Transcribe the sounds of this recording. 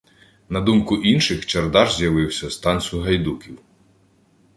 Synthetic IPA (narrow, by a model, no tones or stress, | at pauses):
nɐd̪umkʊʔinʃɪxt͡ʃɐrd̪ɑʒzʲjɐʋɪwsʲɐst̪ɑnʲsʲjʊɦɐjd̪ukʲiw